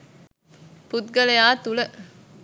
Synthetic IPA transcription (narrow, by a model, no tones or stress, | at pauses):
put̪̚ɡəlejaːt̪ulə